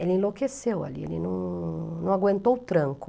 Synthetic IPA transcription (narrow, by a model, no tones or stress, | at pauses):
elɪĩlokesewa̰liḛlɪnɐ̃w̃nɐ̃w̃aɡwẽnt̪owt̪ɾɐ̃ŋkʊ